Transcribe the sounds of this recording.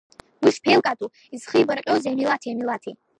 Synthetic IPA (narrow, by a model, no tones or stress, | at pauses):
wiʂpʰelkʼatʼu | izχijbarqʲʼozamilatʰijamilatʰi